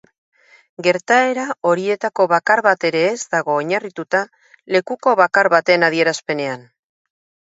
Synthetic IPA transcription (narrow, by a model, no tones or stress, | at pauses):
ɡe̞ɾt̪ae̞ɾao̞ɾie̞t̪ako̞βakaɾβat̪e̞ɾe̞ːzd̪aɣ̞o̞ːɲarit̪ut̪a | le̞kuko̞βakaɾβat̪e̞naðie̞ɾaspe̞ne̞an